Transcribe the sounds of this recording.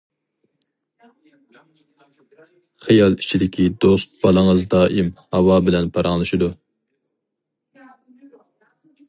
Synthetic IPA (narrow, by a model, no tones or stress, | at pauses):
χɨjɑlˠit͡ʃʰid̪ɪkʲʰid̪ost̪̚bɑlˠəŋəzd̪ɑːʔimhɑwɑbɪlɛnpʰɑɾɑŋlˠɨʃɪd̪u